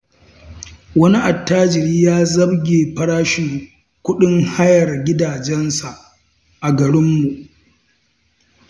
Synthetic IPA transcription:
wɐ˦ni˦ʔa˨tːaː˦d͡ʒɪ˨ɾiː˦jaː˦zɐ˦bɡʲeː˨ɸɐ˦ɽaː˦ʃɪ˨ŋ | kʷʊ˦ɗɪ˦ŋha˦jɐ˨rɡʲɪ˦daː˨d͡ʒɛ˦nsa˨ʔ | ʔa˨ɡɐ˨ɾɪ˦mːu˨ʔ

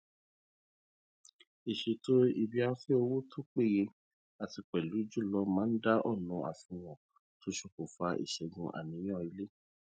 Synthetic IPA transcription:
i˨ʃe˨˧to˦i˧bi˦a˧˦fe˦o˧wo˦tʰo˦k͡pe˦˨je˧ | a˨ti˧k͡pɛ˨lu˨˦d͡ʒu˦˨lɔ˦mã˨˦n̩˦da˦ʔɔ˦˨nũ˧ʔa̰˨fũ˧w̃ɔ̃˨ | to˨˦ʃo˧ko˨fa˧ʔḭ˨ʃɛ˧ɡũ˧ʔa̰˨nĩ˨˧˦j̃ɔ̃˦˨i˧˦le˦

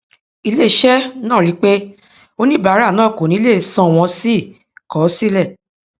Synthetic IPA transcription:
i˧le˦˨ʃɛ˦nãː˦˨ɾi˨˦k͡pe˦ | o˦nĩ˦ba˨˦ɾa˦˨nãː˦˨ko˨nĩ˨˦le˦˨sã˧˨w̃ɔ̃˧si˦˨ | kɔ˨˦si˦lɛ˦˨

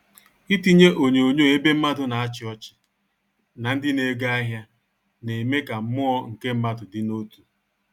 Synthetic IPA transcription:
i˦ti˦ɲe˦ʔo˨ɲe˨o˨ɲo˦˨e˦be˦m̩˦ma˦dʊ˦na˨a˦t͡ʃɪ˨ɔ˦t͡ʃɪ̥˨ | na˨n̩˦dɪ˦ne˨˦ɡa˦a˦ɦja˦ | ne˨me˦ka˨m̩˦mʊ˦ɔ˦ŋ̩˨ke˦m̩˦ma˦dʊ˨dɪ˦no˦tu˨

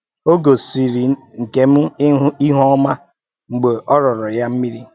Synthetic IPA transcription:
o˦ɡo˨si˨ɾi˨ŋ̩˨ke˨m̩˦i˦ɦɔ˦ma˦ | ŋ͡m̩˨ɡ͡be˨ʔɔ˦ɾɔ˨ɾɔ˨ja˦m̩˦mi˦ɾi˦

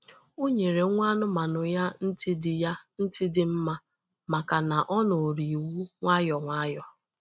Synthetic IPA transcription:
o˦ɲe˨ɾe˨˦ŋʷ˦a˦nʊ˦ma˨nʊ˨ja˦n̩˦tɪ˦dɪ˨ja˦n̩˦tɪ˦dɪ˨m̩˦ma˦ | ma˨ka˨na˨ʔɔ˦no˨ɾi˨wu˦ŋʷa˦jɔ˨ŋʷa˦jɔ˨

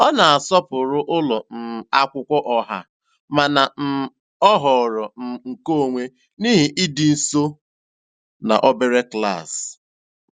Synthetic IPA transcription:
ɔ˦na˨a˨sɔ˦pʊ˨ɾʊ˦ʔʊ˦lɔ˨n̩˨a˦kʷʊ˦kʷɔ˦ʔɔ˨ɦa̰˦ | ma˨na˨n̩˨ | ɔ˦ɦɔ˨ɾɔ˨n̩˨ŋ̩˨ko˦o˨ŋʷe˦ | ni˦ɦi˨ʔi˦dɪ˨n̩˦so˦ | na̰˨ʔɔ˦be˦ɾe˦kla̰˦˨s

